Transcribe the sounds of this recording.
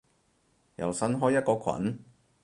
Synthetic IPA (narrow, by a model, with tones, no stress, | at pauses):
jɐ̰˨˩wsɐ˥nɦɔː˥jɐ˥t̚kɔː˧kʰɐ̰˨˥n